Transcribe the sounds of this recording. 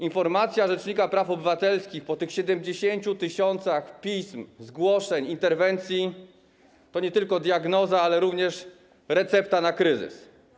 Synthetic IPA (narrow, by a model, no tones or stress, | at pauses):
infɔɾmat̪sʲjaʐɛt͡ʂɲikapɾafɔbɘvat̪ɛlskʲixpɔt̪ɘxɕɛd̪ɛmd͡ʑeɕeɲt͡ɕut̪ɘɕɔnt̪saxpʲismzɡwɔʂɛɲint̪ɛɾvɛnt̪sʲji | t̪ɔɲɛt̪ɘlkɔd̪jaɡnɔzaalɛɾuvɲɛʂ | ɾɛt̪sɛpt̪anakɾɘzɘ̰s